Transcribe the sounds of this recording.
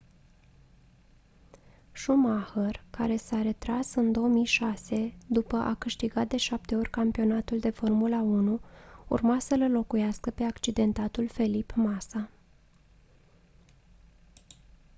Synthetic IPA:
ʃumahərkaɾe̞saɾe̞t̪ɾasɨnd̪o̞omijʃase̞d̪upəʔa̰kɨʃt̪iɡat̪̚d̪e̞ʃap̚t̪e̞o̞rʲkampio̞nat̪uld̪e̞fo̞rmulaunuṵrmasələlo̞kujaskəpe̞akt͡ʃid̪e̞nt̪at̪ulfe̞lipmasa

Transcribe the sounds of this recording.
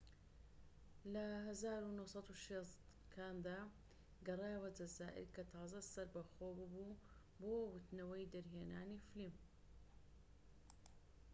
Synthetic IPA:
lɐɦɐzaːɾunosˤɑt̪uʃest̪ | kʰaːnd̪aː | ɡɐrˤeːwɐd͡ʒɐzaːʔɪ̰ɾkɐt̪ʰɑːzɐsɐɾbɐxoːbɨbu | boːwʊt̪nɐwɐjd̪ɐɾɦeːnaːniflim

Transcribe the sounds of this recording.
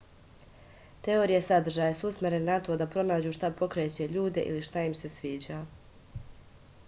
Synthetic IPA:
t̪e̞oːɾijesad̪r̩ʒaːjesuusmeɾennat̪o̞d̪apɾo̞naːd͡ʑuːʃt̪apo̞kɾet͡ɕe̞ʎuːd̪e̞̰ʔḭliʃt̪aimse̞sʋiːd͡ʑa

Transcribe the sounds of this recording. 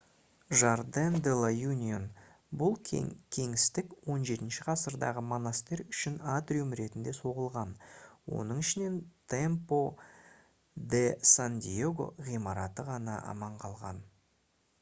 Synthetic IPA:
ʒaɾd̪end̪elˠajunʲion | bʊlˠkʲʰe̞ŋɪst̪ɪkwo̞nʒe̞t̪ɪnʃɪqʰɑsəɾd̪ɑ̰ʁəmo̞nast̪eɾʏʃɪnat̪rʲiumɾe̞t̪ɪnd̪e̞so̞ʁəlˠʁɑnwo̞̰nəɴɪʃɪne̞nt̪ʰempo̞ | d̪esand̪ʲḭeɡo̞̰ʁijmɑɾɑt̪əʁɑnɑʔɑ̰mɑɴqʰɑlˠʁɑ̰n

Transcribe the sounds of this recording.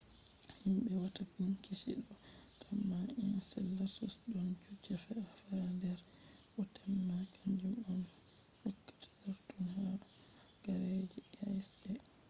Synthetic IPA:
himbɛwatadunkisḭɗɔ | tʰamːainsɛlːasɔsɗɔnd͡ʒud͡ʒːafɛafandɛɾ | ʔɔtamːakʰaɲd͡ʒumɔn | hukːḁtḁdaɾtunhaɗɔ | ɡ̥aɾed͡ʒɛasɛ

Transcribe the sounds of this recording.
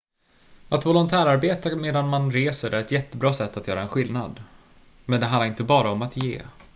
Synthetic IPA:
at̪vɔlʊnt̪ʰæːɾaɾbeːt̪ameːd̪anmanɾeːsəɾæɾɛt̪jɛt̪ːəbɾɑːsɛt̪ːat̪jœːɾaɛnɧɪlːnad̪ | mɛnd̪ɛɦanlaɾɪnt̪əbɑːɾaɔmat̪jḛː

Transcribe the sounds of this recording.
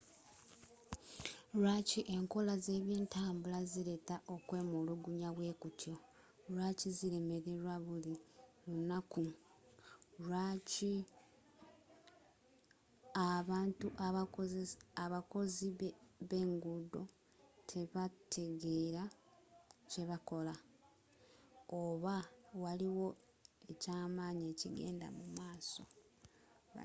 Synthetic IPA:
ɾwaciʔe̞ŋko̞laze̞ːβjiːntaːmbulaziɾe̞taʔo̞kwe̞ːmoluɡuɲaβwe̞ːkutʰjo̞ | ɾwaciziɾe̞me̞ɾe̞ɾwaβulilunaku | ɾwaci | aβaːntuʔaβakozesaβako̞ziβe̞ːŋɡudo̞ | tʰe̞βatʰe̞ɡe̞ːɾa | ce̞βako̞la | oβawaliwo̞ | e̞caːmaːɲe̞ːciɡe̞̰ːnda̰mumaːso̞̰

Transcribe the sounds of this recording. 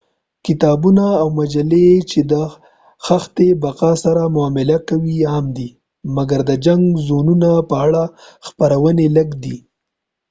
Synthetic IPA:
kɪt̪ɑbunaːwmad͡ʒalet͡ʃed̪ə | xaxt̪ebaqɑsaɾamʊɑmɪlakawiamd̪i | maɡaɾd̪əd͡ʒaŋɡzonunapəaɽaxpaɾawəneləɡd̪i

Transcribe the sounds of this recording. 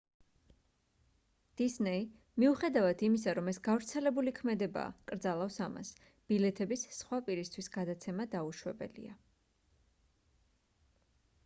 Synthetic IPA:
d̪̥isnɛi | miuχɛd̪avad̪imis̬aɾɔmɛsɡavɾt̪sʰɛlɛbulikʰmɛd̪ɛba̰ːkʼɾd̪zalˠafsama̰s | b̥ilɛt̪ʰɛbisːχwapʼiɾist̪ʰwisɡad̪at̪sʰɛmad̪auʃwɛbɛ̰lḭa

